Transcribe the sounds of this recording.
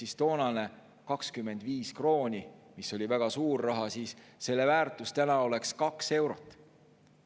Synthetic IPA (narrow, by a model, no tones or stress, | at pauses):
ist̪o̞ːnɑne̞ | kɑkskymːe̞nd̪viːskro̞ːnʲimiso̞lʲivæɡ̥ɑsuːrːɑɦɑsiːsːe̞lːe̞væːrt̪ˑust̪ænɑo̞le̞kskɑkse̞wɾo̞t̪ːˑ